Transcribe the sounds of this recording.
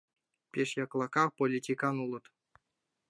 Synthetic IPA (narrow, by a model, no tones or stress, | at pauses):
pʲeʂjɑklˠɑkɑpolʲitʲikɑnulˠɤ̆t̪